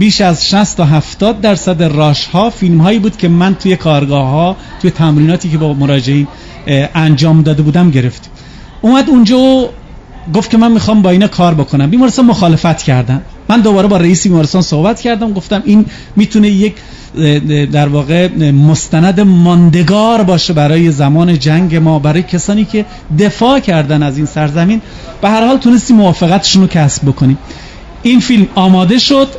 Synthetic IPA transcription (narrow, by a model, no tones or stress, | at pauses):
b̥iːʃæzʃæst̪ɒɦæft̪ɒːd̪̚ːæɾsæd̪erɒːʃhɒːfilmɦɒːjiːbuːd̪̥cʰe̞mænt̪ʰuːje̞kʰɒːɾɡɒːhɒː | t̪ʰuːjet̪ʰæmɾiːnɒːt̪ʰiːcʰebɒːmoɾɒːd͡ʒeiːn | ʔænd͡ʒɒːmd̪ɒːd̪e̞buːd̪æmɟe̞ɾeft̪ | ʔuːmæd̪und͡ʒɒːo | ɡo̞ft̪̚cʰe̞mænmixɒːmbɒːiːnɒːkʰɒːɾbo̞kʰonæmbiːmɒɾest̪ɑːnmoxɒːle̞fæt̪cʰæɾd̪æmːænd̪obɒːɾebɒːɾeiːsebiːmɒːɾest̪ɑnso̞hbæt̪cʰæɾd̪æmɡo̞ft̪æmʔiːn | miːt̪ʰunejec | d̪æɾvɒːɣemost̪ænæd̪e̞mɒnd̪e̞ɡɒːɾbɒːʃebæɾɒːje̞zæmɒːne̞d͡ʒæŋɟe̞mɒːbæɾɒɔːjecʰesɒːniːcʰe̞ | d̪e̞fɒːcʰæɾd̪ænæziːnsæɾzæmiːn | b̥ehæɾhɒːlt̪ʰune̞st̪iːmːovɒːfeɣæt̪ʰe̥ʃunocʲʰæsb̥̚bo̞kʰoniːm | ʔiːnfilmɒːmɒːd̪e̞ʃod̪̥